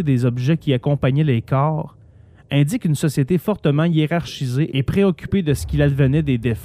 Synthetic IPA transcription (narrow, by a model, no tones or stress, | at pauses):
ed̪ezɔbʒɛkʲiakɔ̃paɲɛlekɑːʁ | ɛ̃dd͡zɪkynsɔsjet̪efɔʁt̪əmɑ̃ijeʁaʁʃizeʔepʁeɔkʲy̥ped̪əsə̥kʲilad̪vənɛd̪ed̪ef